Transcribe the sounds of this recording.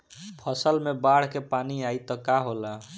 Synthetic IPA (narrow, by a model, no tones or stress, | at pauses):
pʰəsəlmebaɽ̤kepaniait̪ɔkaɦola